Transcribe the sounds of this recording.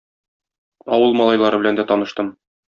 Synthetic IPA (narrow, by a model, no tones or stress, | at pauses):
ɒwɤlˠmɒlˠɑjlˠɑɾɤbɘ̆lænd̪æt̪ɒnɤ̆ʃt̪ɤm